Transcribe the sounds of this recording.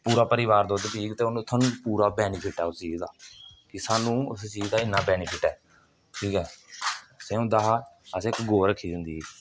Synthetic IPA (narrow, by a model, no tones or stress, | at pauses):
puːɾaːpəɾɪʋaːɾd̪oːd̪epiːɡt̪eːʊnːsʰaːnũːpuːɾaːbɛːniːpʰɪʈɛːʊst͡ʃiːzd̪aːkɪsaːnũːʊst͡ʃiːd͡ʒd̪aːɪnːaːbɛːniːpʰɪʈɛː | ʈʰiːkɛː | seːõːd̪aːɦaːəsɪkɡoːɾəkʰːiːd̪ɪnd̪iː